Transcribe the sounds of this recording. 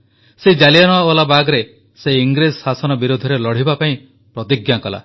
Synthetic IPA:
sed͡ʒalijanɔaolabaɡɾe | seiŋɡɾessasɔnɔbiɾud̪ʱɔɾelɔɽ̤ibapaĩ | pɾɔt̪iɡjakɔla̰

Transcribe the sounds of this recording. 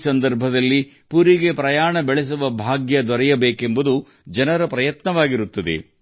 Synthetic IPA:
sɐnd̪ɐɾbʱɐd̪ɐlːi | puɾiɡe̞pɾɐjaːɳɐbɛɭes̬uʋɐbʱaːɡjɐd̪ʋɐɾɛjɐbeːke̞mbud̪u | d͡ʒɐnɐɾɐpɾɐjɐt̪nɐʋaːɡiɾut̪ːɐd̪ḛ

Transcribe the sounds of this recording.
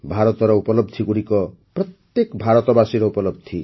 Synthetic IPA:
bʱaɾɔt̪ɔɾɔupɔlɔb̚d̪ʱiɡuɽikɔpɾɔt̪jekbʱaɾɔt̪ɔbasiɾɔupɔlɔb̚d̪ʱi

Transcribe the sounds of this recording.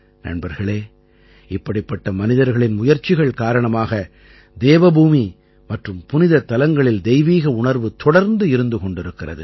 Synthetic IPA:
nɐ̰ɳbɐɾɣɐɭeː | ɪpːɐɽɪpːɐʈːɐmɐnɪðɐɾɣɐɭɪnmʊjɐɾt͡ʃːɪɣɐɭkaːɾɐɳɐmaːɣɐ | d̪eːʋɐbuːmi | mɐʈrɯmpʊnɪðɐt̪ːɐlɐŋɡɐɭɪld̪ɛɪʋiːɣɐʊɳɐɾʋɯt̪ɔɽɐɾnd̪ɯɪɾɯnd̪ɯkɔɳɖɪɾɯkːɪrɐ̰ðɯ̰

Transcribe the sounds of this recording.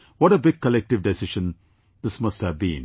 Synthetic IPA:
ʋɔʈəbɪɡ̚kəlɛk̚ʈɪʋɖɛsɪʃə̃n | d̪ɪsmʌsʈhæʋbḭ̃n

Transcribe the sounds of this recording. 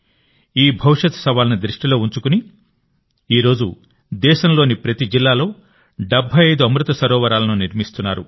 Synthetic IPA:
iːbʱɐʋiʂɐt̪sɐʋaːlɐnid̪ɾiʂʈilo̞ːuɲt͡ʃukuni | iːɾo̞ːd͡ʒu | d̪ɛːʃɐmloːnipɾɐt̪id͡ʒilːaːlo̞ː | ɖɐbʱɐjɐjd̪uɐmɾut̪ɐsɐɾɔːʋɐɾaːlɐnuniɾmist̪unːaːɾu

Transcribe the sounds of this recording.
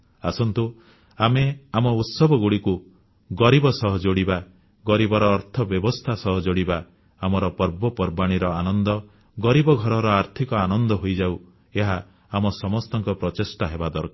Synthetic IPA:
a̰sɔnt̪u | ameamɔut̪sɔbɔɡuɽiku | ɡɔɾibɔsɔɦɔd͡ʒoɽiba | ɡɔɾibɔɾɔːɾt̪ʰɔbjɔbɔst̪ʰasɔɦɔd͡ʒoɽiba | amɔɾɔpɔɾbɔpɔɾbaɽ̃iɾɔanɔnd̪ɔ | ɡɔɾibɔɡʱɔɾɔɾɔaɾt̪ʰikɔanɔnd̪ɔɦojd͡ʒau | eɦaː | mɔsɔmɔst̪ɔŋkɔpɾɔt͡ʃesʈaɦebad̪ɔɾka

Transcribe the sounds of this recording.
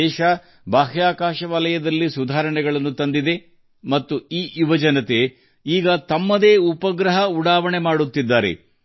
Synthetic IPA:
ɛːʃɐ | baːɦjaːkaːʃɐʋaːlɐjɐd̪ɐlːisud̪ʱaːɾɐɳɛɡɐɭɐnːut̪ɐnd̪id̪e̞ | mɐt̪ːuiːʔjuʋɐd͡ʒɐnɐt̪e̞ | iːɡɐt̪ɐmːɐd̪e̞ːupɐɡɾɐɦɐuɽaːʋɐɳemaːɽut̪ːid̪ːaːɾe̞̰

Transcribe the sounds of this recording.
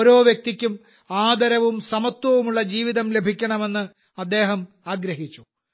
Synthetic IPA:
oɾo̞ːʋjek̚t̪ikʲːum | aːd̪ɐɾɐʋumsɐmɐt̪wɐʋumuɭːɐd͡ʑiːʋiðɐmle̞bʱikʲːɐɳɐme̞nːɨ | ɐd̪ːe̞ːɦɐm | aːɡɾɐɦit͡ɕːu̥

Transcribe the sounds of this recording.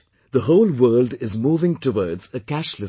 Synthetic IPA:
ðəhoʊlwɜːldɪzmuːvɪ̃ŋtʰəwɔːdz̥əkæʃlə

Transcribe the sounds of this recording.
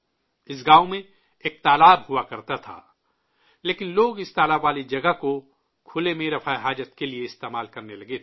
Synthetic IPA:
ɪs̬ɡaːomẽ | eːk̚t̪aːlaːbɦʊakɐɾt̪at̪ʰa̰ː | leːkɪnloːɡɪst̪aːlaːbːaːlid͡ʒɐɡəɦko | kʰʊlemẽɾɐfaːeɦaːd͡ʒət̪kelieɪst̪eːmaːlkɐɾnelɐɡet̪ʰ

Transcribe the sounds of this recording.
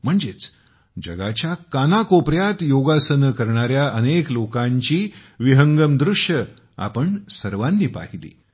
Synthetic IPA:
m̤əɳd͡ʑet͡s | d͡ʑə̰ɡat͡ɕjakanakopɾjat̪joɡasənəkəɾɳaɾjaʔəneklokãɲt͡ɕiːʋiɦəŋɡəmd̪ɾuʂjə | a̰pəɳsəɾʋanːiːpa̰ɦilḭː

